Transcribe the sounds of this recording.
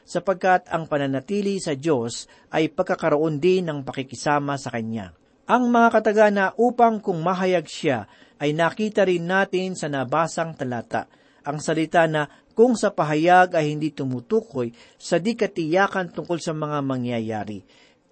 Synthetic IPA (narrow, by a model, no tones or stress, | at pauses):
sɐpɐɡ̚kat̪ɐŋpɐnɐnɐt̪iːlisɐd͡ʒo̞s | ʔɐjpɐɡ̚kːɐkɐɾoʔond̪ɪnɐŋpɐkɪkɪsaːmɐsɐkɐnja̰ | ʔɐŋmɐŋakɐt̪ɐɡanɐʔuːpɐŋkʊŋmaɦɐjaɡsa | ʔɐjnakiːt̪ɐɾɪnːaːt̪ɪnsɐnɐbaːsɐŋt̪ɐlaːt̪a̰ʔ | ʔɐŋsɐlɪt̪anɐ | kʊŋsɐpɐɦɐjaɡɐjhɪnd̪it̪ʊmut̪uːkoj | sɐd̪ikɐt̪ɪjaːkɐnt̪ʊŋko̞lsɐmɐŋamɐŋjaja̰ːɾɪ̰